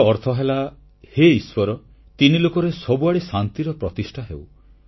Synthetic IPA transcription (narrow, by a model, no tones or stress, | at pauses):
ɔɾt̪ʰɔɦela | heiswɔɾɔ | t̪inilokɔɾesɔbuaɽisant̪iɾɔpɾɔt̪isʈʰaɦḛw